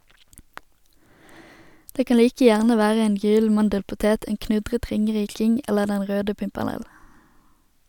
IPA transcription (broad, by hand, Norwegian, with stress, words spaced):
ˈdeː ˈkɑn ˈliːkə ˈjæʁnə ˈʋæːʁə ˈeːn ˈjyːl̩ ˈmɑndəlpʊˌteːt ˈeːn ˈknʉdʁət ˈʁɪŋəˌʁiːkɪŋ ˈɛləʁ ˈdɛn ˈʁøːdə pɪmpɛʁˈnɛl